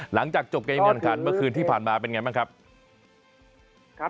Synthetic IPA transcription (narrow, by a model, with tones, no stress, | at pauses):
la˩˦ŋt͡ɕaː˨˩k̚t͡ɕo˨˩p̚ka˧maː˥˩˨a˨˩ŋkʰaː˧nmɯ˥˩ɐəkʰɯː˧nt̪ʰiː˥˩pʰaː˨˩nmaː˧pe˧nŋa˧jmaː˥˩kʰa˦˥p̚